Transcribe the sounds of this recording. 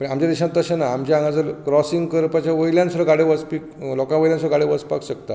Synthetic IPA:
pəɳamt͡ɕjad̪iɕãt̪ːəɕenaamt͡ɕjaŋɡad͡zəlkɾɔsiŋɡkəɾpat͡ɕjaʋəjljãnsuɾəɡaɽeʋət͡spiklɔkãʋəjljãnsɾəɡaɽeʋət͡spa̰kɕəkt̪a

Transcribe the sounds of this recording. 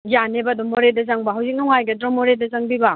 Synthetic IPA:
janebadɔmːoɾedɐzaŋbɐɦawzik̚nɔŋajɡɐdɾomoɾedɐzaŋbiba

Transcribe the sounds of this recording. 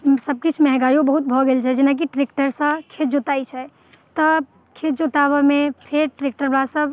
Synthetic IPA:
səb̚kit͡ʃʰmɛɦɡajõbəɦut̪̚bʱɔɡelt͡ʃʰɛd͡ʒinak̬iʈɾek̚ʈəɾsə̃kʰed͡ʒot̪ait͡ʃʰɛ | t̪ɔ | kʰed͡ʒot̪aβəmepʰeɾʈɾek̚ʈəɾbasəb

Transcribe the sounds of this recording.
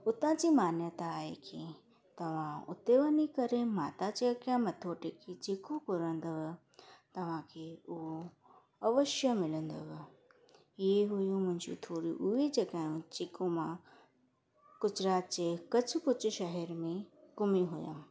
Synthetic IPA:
ʊt̪ãd͡ʑimaːnjət̪aːɦḛki | t̪ɐʋ̤ãʊ̰t̪eʋənikɐɾemaːt̪ad͡ʑeɐkjãmɐt̪ʰoːʈekʰet͡ɕɪkopʊɾə̃nd̪əʋɪ | t̪ɐʋ̤ãkʰeʊɦo | ɐʋəʃjəmɪlə̃nd̪o̰ʋɪ | ɪeɦʊjũmʊ̃ɦɪ̃ɲd͡ʑo̰t̪ʰoːɾiʔʊed͡ʑeɡaːjũt͡ɕɪkomã | kʊd͡ʑɾaːt̪d͡ʑekɐd͡ʑʰʱʊkʊd͡ʑʃɐɦɛɾmẽkʊmiɦʊjə̰m

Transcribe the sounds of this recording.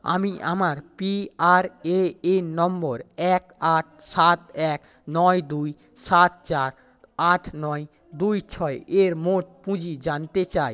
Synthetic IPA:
a̰miʔamaɾpiaɾeenɔmboɾɛkaʈ̚ʰsat̪ɛk | nɔjd̪uj | sat̪̚t͡ɕaɾ | aʈʰnɔe | d̪ujt͡ɕʰɔeʔeɾmoʈ̚pũd͡ʑid͡ʑant̪et͡ɕaj

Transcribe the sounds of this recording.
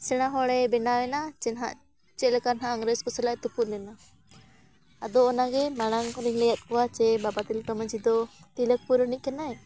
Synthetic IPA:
sɛɽ̃aɦɔɽɛbɛnawɛnat͡ʃɛnɦa̰ʔ | t͡ʃɛlɛkanɦaʔaŋɡɾɛskɔsɛlaʔt̪uput̪lɛna | ad̪ɔɔnaɡɛmaɽ̃aŋkɔɾiŋlɛjat̪̚kɔwat͡ʃɛbabat̪ilt̪ɔməd͡ʒid̪ɔt̪ilək̚puɾɔniʔ̚kɛnaj

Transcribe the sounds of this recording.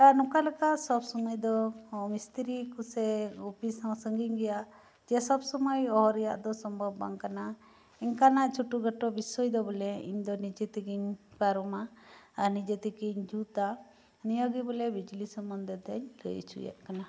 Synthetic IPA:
anukalɛkaʔsɔbsɔmɔjd̪ɔmist̪ʰiɾikusɛupisãwsəŋɡiɲɡɛja | d͡ʒɛsɔbsɔmɔjɔɦɔɾija̰ʔd̪ɔsɔmbʱɔbaŋkana | iɲkanaʔt͡ʃʰuʈuɡəʈɔbisɔjd̪ɔbɔlɛḭɲd̪ɔnid͡ʒet̪ikiɲpaɾɔmaːɾnid͡ʒet̪ikiɲd͡ʒut̪a | nijɔɡibɔlɛbid͡ʒlisəmːɔnd̪ɛd̪ɛɲlə̰jt͡ʃʰṵjɛ̰ʔkana

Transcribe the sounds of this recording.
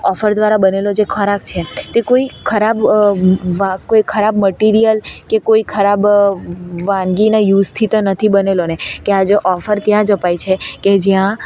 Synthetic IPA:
ɔfəɾd̪ʋaɾabənelod͡ʒekʰəɾakt͡ʃʰet̪ekoikʰəɾab | ʋakoikʰəɾabməʈiɾijəlkekoikʰəɾab | ʋãŋɡinajust̪ʰit̪ənət̪ʰibənelonekead͡ʒeʔɔfəɾt̪jãd͡ʒəpajt͡ʃʰeked͡ʒjã

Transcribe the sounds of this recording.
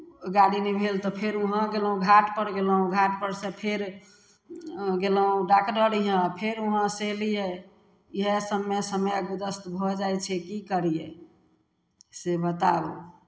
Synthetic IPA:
ɡaɽinɛbʱelt̪ɔpʰeɾuɦə̃ɡelũɡʱaʈpəɾɡeləɦũɡʱaʈpəɾsepʰeɾ | ɡeləɦũɖakʈəɾiɦə̃pʰeɾuɦə̃selije | iɦesəmːesəməjɡud̪əst̪bʱɔd͡ʒajt͡ʃʰɛkikəɾijḛ | sebət̪a̰bṵ

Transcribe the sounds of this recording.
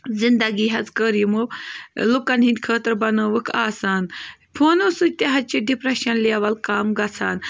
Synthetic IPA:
zind̪ɐɡiɦɐt͡skəɾimolukɐnɦĩnʲkʰəːt̪ɾbɐnəʋɨkʰaːsaːnpʰoːnosut̪eɦɐt͡ʃiɖipɾɐʃɐnleːʋɐlkaːmɡɐt͡sʰaːn

